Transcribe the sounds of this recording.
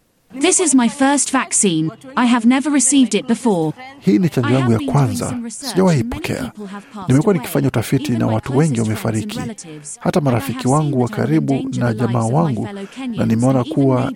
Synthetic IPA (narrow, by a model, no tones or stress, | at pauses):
ðɪsɪzmaɪfɜˑ˞stv̥aksĩːnaɪəvnɛvəɹɪsiːvdɪt̚b̥ɪfɔːhiːnit͡ʃaɲd͡ʒɔjaŋɡujakwanza̰siʄawahipɔkʰɛ̰a̰nimɛkuwaniki̥faɲautafitina̰watuwɛŋɡiwamɛfa̰ɾikʰḭ | hatamaɾafikiwaŋɡuwaka̰ɾiɓunaʄamaːwaŋɡunanimɛɔnakuwa